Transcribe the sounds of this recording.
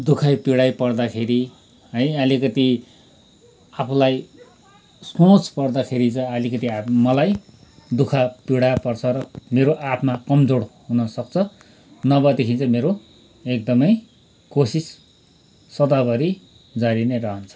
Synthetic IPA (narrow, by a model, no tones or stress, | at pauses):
d̪ukʰajpiɽajpʌrd̪akʰeɾi | ɦʌjʌlikʌt̪i | apʰlaj | skõt͡spʌrd̪akʰeɾit͡sʌ̃ʌlikʌt̪iamʌlaj | d̪ukʰapiɽapʌrt͡sʰʌɾʌmeɾoʔapʰmakʌmd͡zoɽɦunʌsʌkt͡sʰʌ | nʌbʌd̪ekʰint͡sʰʌmeɾo | ek̚d̪ʌmʌj | kosisː | ʌd̪abʌɾi | d͡zaɾinerʌɦʌnt͡sʰʌ̥